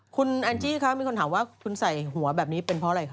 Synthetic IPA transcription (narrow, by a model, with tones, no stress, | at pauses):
kʰu˧nʔaː˧nt͡ɕiː˥˩kʰa˦˥mi˧˨˩kʰo˧nt̪aː˩˦waː˥˩kʰu˧nsa˨˩jɦu˩˦ɐbɛː˨˩p̚niː˦˥pe˧npʰɔ˦˥ɾa˧jkʰa˦˥